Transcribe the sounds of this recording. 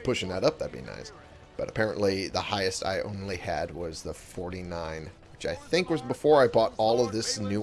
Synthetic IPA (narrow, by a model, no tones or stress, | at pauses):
pʰʊʃɪ̃ŋðɨɾʌp̚ðɨt̚b̥ḭna̰ɪs | b̥ʌɾɨpʰɛɹɨ̰̃nʔliðəhaɪɨsta̰ɪʔõ̰ʊ̃nliɨ̰d̚wʌzðəfɔɹɾinãɪ̃n | wɨt͡ʃaɪθɪ̃ŋkwʌzbəfɔɹaɪbɔɾɔlˠʌvðɪsnʉ